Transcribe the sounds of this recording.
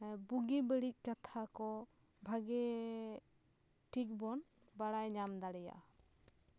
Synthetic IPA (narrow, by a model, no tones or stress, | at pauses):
buɡibəɽic̚ˀkat̪ʰakɔbʱaɡɛ | ʈʰik̚bɔn | baɽajɲamd̪aɽɛja̰